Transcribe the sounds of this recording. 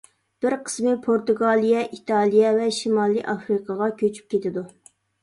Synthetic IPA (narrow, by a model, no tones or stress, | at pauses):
b̥ɪɾqʰə̥smɪpʰoɾt̪uɡɑːlˠijɛʔit̪ʰɑlˠijɛvɛʃimɑːlˠiʔɑfɾɨqʰɑʁɑkʲʰøt͡ʃʰy̥p̚kʲʰet̪ʰɪd̪u